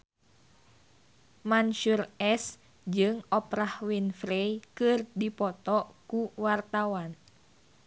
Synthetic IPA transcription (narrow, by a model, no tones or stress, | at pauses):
manʃurɛs | d͡ʒɨŋɔpɾahwinfɾejkɨrdipɔt̪ɔʔkuwart̪awan